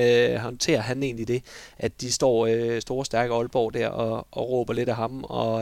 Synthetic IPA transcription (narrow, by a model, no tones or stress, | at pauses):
ɦɒ̽nt͡sʰe̝̰ːɐɦæne̝ːnlid̥e̝ʔæd̥d̥isd̥ɒ̰ːøsd̥o̝ːɐsd̥æɐɡ̥əɒ̽lb̥ɒ̰ʊ̰d̥æɐ̰ɒ̽ʔɒʁɔ̰ːb̥ɐle̝d̥æɦɑ̈mɒ̽